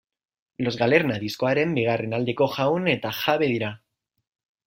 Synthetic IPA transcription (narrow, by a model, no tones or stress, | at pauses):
lo̞zɣaleɾnaðiskoaɾembiɣarenald̪ekoxaunet̪axaβeðiɾa